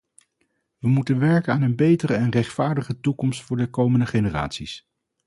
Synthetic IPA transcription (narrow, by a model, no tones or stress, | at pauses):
ʋəmutənʋɛɹkəaːnənbejtəɾəɛnrɛχtfaːɹdəχətukɔmstfʊːɹdəkowməndəχenəra̰ːtsis